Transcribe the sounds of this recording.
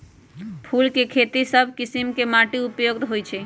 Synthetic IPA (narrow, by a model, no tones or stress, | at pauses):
pʰulkekʰet̪isəbʱkisimkemaʈiupjoɡd̪ɦojt͡ʃʰɛ